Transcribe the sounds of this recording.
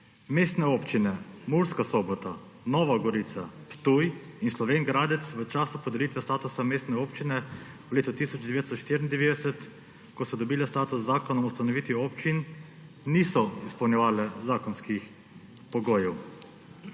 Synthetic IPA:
meːst̪nɛopt͡ʃinɛmuɾskasɔbɔt̪a | nɔːʋaɡɔɾit̪sapt̪ujinslɔʋenɡɾaːd̪ɛt̪sʋət͡ʃaːsupɔd̪ɛlit̪ʋɛst̪aːt̪usameːst̪nɛoːpt͡ʃinɛwleːt̪ɔt̪isɔd͡ʒd̪ɛʋeːd̪st̪ɔʃt̪iɾind̪ɛʋed̪ɛsɛt̪ | kɔsɔd̪ɔbiːlɛst̪aːt̪usːaːkɔnɔust̪anɔʋiːt̪iɔːpt͡ʃinː | isɔispɐwnjɛʋaːlɛzaːkɔnskix | pɔɡoːjɛw

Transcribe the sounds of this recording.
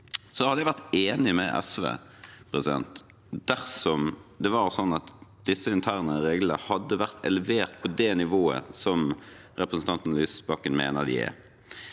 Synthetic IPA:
sɔhɑd̪əjæɪʋæʁt̪eːnɪmɛʔɛ̰sʋḛː | pʰʁɛsɪd̪ɛ̰nt̪ | d̪̥æʁsɔmd̪ɛʋɑɾsɔnːɑt̪d̪̥ɪsːəɪnt̪ʰæːʁnəɾeːɡləəhɑd̪ːəʋæʁt̪ʰɛləʋeːʁt̪̚pʰɔd̪ɛnɪʋoːə̰sɔm | ɾɛpɾəsn̩t̪ʰɑnt̪n̩lyːsbɑkːənmḛːnəd̪ɪ̰ɛ̰

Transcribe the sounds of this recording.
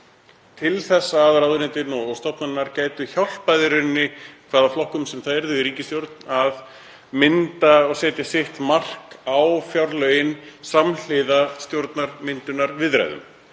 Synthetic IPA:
t̪ʰɪlθɛsːaðrawðʏnɪːt̪ɪnɔɣɣst̪ɔpnanːaɾcaːjt̪ʏçawl̥pajðʏɾɪnːɪkʰvaɾðaflɔhkʏmsɛmθaðɛɾðʏiɾiːcɪst̪jowɾt̪nað | mɪnt̪aɔɣsɛːt̪jasɪht̪mar̥kawfjawɾlœːjɪnsaml̥ɪðast̪jowɾt̪naɾ̥mɪnt̪ʏnːaɾvɪðɾa̰jðʏ̰m

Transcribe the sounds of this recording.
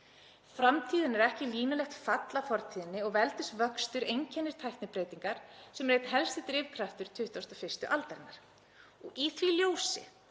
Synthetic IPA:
fɾamt̪ʰiːðɪnɛɾɛhcɪliːnʏlɛxt̪fat̪lafɔɾ̥t̪ʰiːðɪnːɪɔɣvɛlt̪ɪst̪vœkst̪ʏɾejɲcʰɛnːɪɾ̥t̪ʰajht̪nɪpɾeːjt̪iŋkaɾ̥sɛmreːjt̪nɦɛlst̪ɪt̪ɾɪvkʰɾaft̪ʏɾ̥t̪ʰʏht̪awst̪ɔfɪr̥st̪ʏʔalt̪aɾɪnaɾ̥ | ɔɣiθviljoːwsɪ̰

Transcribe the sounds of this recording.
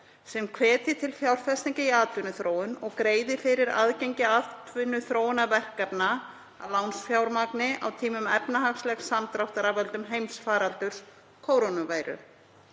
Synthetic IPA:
sɛmkʰvɛːt̪ɪt̪ʰɪlfjawɾ̥fɛst̪iɲcɪiaːt̪vʏnʏθɾoːwʏnɔɣkɾeːjðɪfɪɾɪɾa̰ðcejɲcɪat̪vʏnːʏθɾoːwnavɛr̥kapna | a̰lawnsfjawɾmaknɪʔawt̪ʰiːmʏmɛpnaɦaxslɛxsamt̪ɾawht̪aɾavɛlt̪ʏmɦejmsfaːɾalt̪ʏɾ̥s | kʰoːwɾonavaːjɾʏ̰

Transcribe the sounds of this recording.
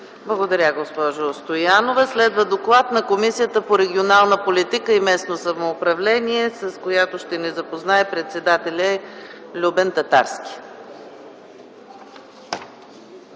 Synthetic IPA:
blˠɐɡod̪ɐɾʲaɡospɔʒʊst̪ojanovəslɛd̪vəd̪oklˠat̪nɐkomisijət̪əpoɾɛɡʲionalˠnəpolit̪ikəimɛsnosɐmoːpɾɐvlɛniɛsɐskojat̪oʃt̪ɛnɛzɐpoznaɛpɾɛt̪sɛd̪at̪ɛlʲəlʲubɛnt̪ɐt̪a̰ɾskʲi̥

